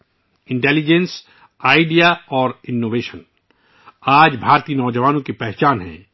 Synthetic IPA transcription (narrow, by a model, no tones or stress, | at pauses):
ɪ̃ɳʈɛːlid͡ʒɛ̃ns | aːɪɖijaɔːɾɪnːoːʋeːʃən | aːd͡ʒbʱaːɾt̪iːənɔːd͡ʒəʋaːnõkepɛɦt͡ʃaːnɦɛ̰̃ː